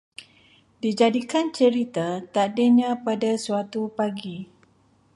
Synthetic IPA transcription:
did͡ʒadikant͡ʃəɾit̪at̪adeɲãpadasuat̪upaɡi

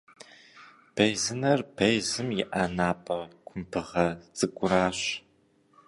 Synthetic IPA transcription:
b̥ɐjzɨnɐrbʰɐjzɨmjɪʔaːnaːpʼɐkʷʰʊmpʰɨʁɐt͡sʼɨkʷʼʊɾaːɕ

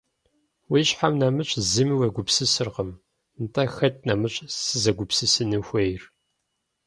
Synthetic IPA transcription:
wiɕħamnɐmɨɕʼzɨmiwɐɡʷʊpsɨsɨrqəm | nɨtʼɐxɐt̚nɐmɨɕʷʼsɨzɐɡʷʊpsɨsɨnɨxʷɐjr

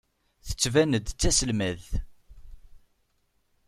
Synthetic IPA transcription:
θə̥t͡sːvænəd̪t͡sːæsəlmæð

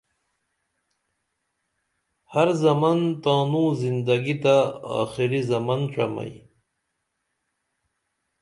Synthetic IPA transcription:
haɾzɐmant̪ãːnũːzind̪ɐɡit̪aa̰ːxiɾizɐmanʈ͡ʂama̰j

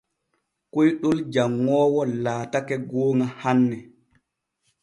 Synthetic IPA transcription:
kojɗold͡ʒaŋːɔːwɔlaːtakɛɡoːŋahanːɛ

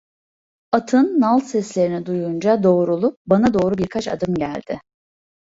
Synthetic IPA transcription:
at̪ʰɯnːalˠsɛslʲe̞ɾinid̪ujund͡ʒad̪o̞ːɾulˠup̚banad̪o̞ːɾubiɾkʰat͡ʃa̰d̪ɯmɟæ̰lʲd̪̥ɪ

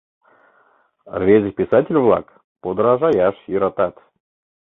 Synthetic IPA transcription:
rvʲezʲɨpʲɪsatʲɪlʲvlˠa̰k | pod̪ɾaʒajaʃiɾat̪at̪

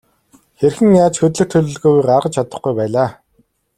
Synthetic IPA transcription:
xerxɘ̆ŋjaːt͡ɕxɵt̪̬ɮɵ̆kt̪ʰɵɮʲɵ̆ɮɣuːujɢarʁə̆t͡ɕʰat̪ə̆χɡujpæːɮaː

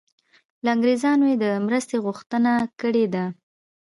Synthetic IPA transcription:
lɑŋɡɾezɑnwed̪əmɾəst̪eɣʊxt̪ənakəɽed̪a

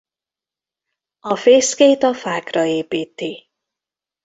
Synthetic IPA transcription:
ɒfeːskejt̪ɒfaːkrɒeːpiːt̪i

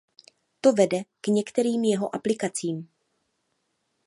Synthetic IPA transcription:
t̪o̞vɛdɛkɲɛkt̪ɛɾiːmjɛɦo̞ʔaplɪkat͡siːm

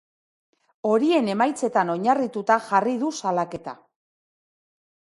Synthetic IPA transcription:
o̞ɾie̞ne̞majt͡se̞t̪ano̞ɲarit̪ut̪axariðusalake̞t̪a̰

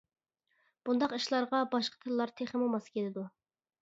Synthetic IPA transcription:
b̥und̪ɑqiʃlˠɑɾʁɑbɑʃqʰə̥t̪ʰɨllːˠɑɾt̪ʰeχɪmomɑskʲʰelɪd̪u

